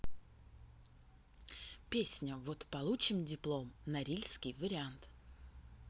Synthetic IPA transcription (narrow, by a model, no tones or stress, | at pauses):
pʲesʲnʲəvot̪pɐlˠut͡ɕɪmdʲɪplˠo̞mnɐɾʲilʲskʲɪjvəɾʲɪant̪